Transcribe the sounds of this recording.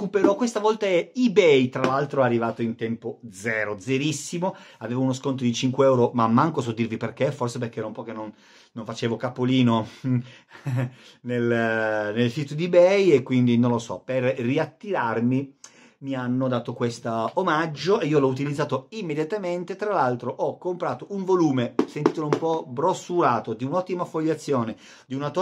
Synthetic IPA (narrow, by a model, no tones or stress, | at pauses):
kupeɾɔkːwest̪avɔlt̪aeibɛjt̪ɾalalt̪ɾoarːivaːt̪oint̪ɛmpod̪zɛːɾod̪zeɾisːimoaveːvounoskont̪̬od̪it͡ʃiŋkweɛwɾomamːaŋkosɔd̪ːirviperk̟eforseperk̟eɛɾoumpɔːkenonː | oɱfat͡ʃeːvokapːoliːno | nelnelsiːt̪od̪ibɛjekːwind̪inõnlːosɔ̰perriat̪ːiɾarmi | mianːod̪aːt̪okwest̪aomad͡ʒːoeiːolɔut̪̬ilid̪zaːt̪oimːed̪jat̪ament̪et̪ɾalalt̪ɾoʔɔkːompɾaːt̪ouɱvoluːmesent̪iːt̪oloumpɔbɾosuɾaːt̪od̪iunɔt̪ːimafːoʎːat̪sːjoːne | d̪iunat̪